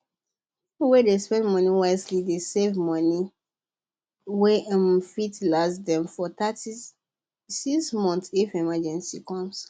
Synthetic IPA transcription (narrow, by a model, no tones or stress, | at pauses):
pipowedespɛ̃ndmɔniwaɪslidesevmɔni | wemfitlasdɛ̃mfɔtati | sismɔ̃nθifimad͡ʒɛ̃nsikɔ̃ms